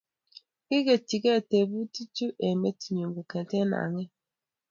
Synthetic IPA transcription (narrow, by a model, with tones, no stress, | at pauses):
ki˦ɡe˨t͡ʃi˨ke˦˨te˨bu˦ti˦t͡ʃu˦ʔe˨me˦ti˨ɲo˨ŋɡo˨kɛ̃˨te˦na̰˨ŋe˦